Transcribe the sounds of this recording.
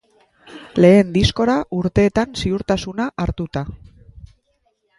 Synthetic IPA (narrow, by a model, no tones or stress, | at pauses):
le̞ːnd̪isko̞ɾauɾt̪e̞ːt̪ansiuɾt̪asunaʔaɾt̪ut̪a